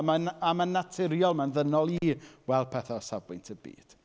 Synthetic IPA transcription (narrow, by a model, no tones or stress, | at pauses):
manamanːatʰɪɾjɔlˠmanðənɔlˠiːwɛlˠpʰɛθɔsavɪ̰ntʰəbḭːd̥